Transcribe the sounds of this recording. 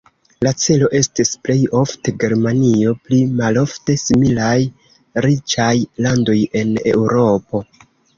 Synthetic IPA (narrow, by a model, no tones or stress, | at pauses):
lat͡se̞lo̞ʔe̞stisple̞jo̞fte̞ɡe̞ɾmanio̞plimalo̞fte̞similaj | ɾit͡ʃajlando̞je̞ne̞̰wɾo̞po̞